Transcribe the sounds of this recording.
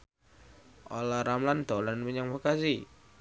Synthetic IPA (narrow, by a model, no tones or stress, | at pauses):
ʔolaɾamland̪̥olanməɲaŋmakasi